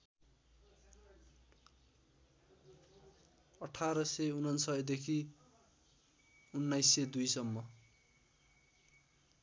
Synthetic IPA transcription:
ʌʈʰaɾʌseunʌnsʌjd̪ekʰi | unːajsed̪ujsʌmːʌ

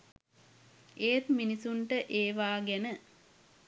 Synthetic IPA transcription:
eːt̪minisuɳʈəʔeːʋaːɡenə

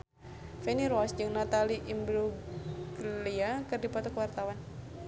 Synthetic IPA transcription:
fɛniɾɔsd͡ʒɨŋnat̪aliʔimbɾuɡliakɨrdipɔt̪ɔkwart̪awan

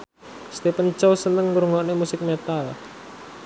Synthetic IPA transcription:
st̪epənt͡ʃɔwsənəŋːɾuŋɔʔnemusɪk̚met̪al

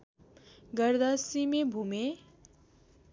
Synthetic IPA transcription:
ɡəɾd̪asimẽbʱume

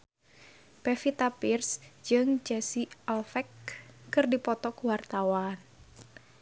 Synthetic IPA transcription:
pɛfit̪apirsd͡ʒɨŋd͡ʒɛsialfɛkːɨrdipɔt̪ɔkwart̪awan

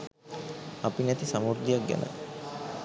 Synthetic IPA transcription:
apinɛt̪isamuɾd̪ijak̚ɡɛ̰nʔə̰

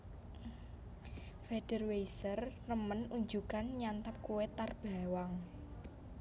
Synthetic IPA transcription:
feɖ̥ərwejsərːəmənuɲd͡ʒukanɲant̪ap̚kuwet̪arb̥a̤waŋ

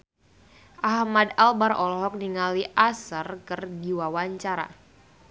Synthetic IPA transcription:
ʔahmadalbaɾɔlɔɦɔk̚niŋaliʔasərkərdiwawaɲt͡ʃaɾa̰

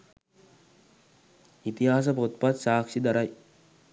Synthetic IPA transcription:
it̪iɦaːs̬ɐpot̪̚pat̪ʃaːkʂid̪ɐɾɐj

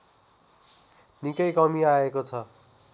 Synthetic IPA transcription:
nikʌjkʌmiaekot͡sʰʌ

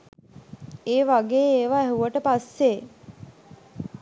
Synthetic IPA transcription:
eːʋaɡeːeːʋaɛɦuʋəʈəpasːe

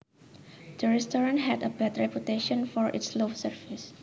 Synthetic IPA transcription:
d̪̥əɹɛstɔɹãntɦɛdəbɛt̪ɹɛpjut̪eʃɔ̃nfɔɹʔɪ̰tslofsəɹfɪs

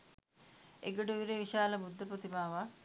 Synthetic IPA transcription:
ḛɡəɖuʋiɾeʋiʃaːləbud̪ʱːəprot̪imaːʋa

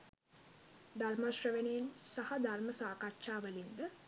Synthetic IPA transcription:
d̪armaʃrəʋenejensahɐd̪ʱarməsaːkatːʃaːʋəlind̪ə

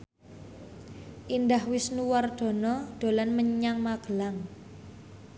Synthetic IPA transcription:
ʔindahwɪsnuward̪̥ɔ̤nɔd̪̥o̤lanməɲaŋmaɡ̥əlaŋ

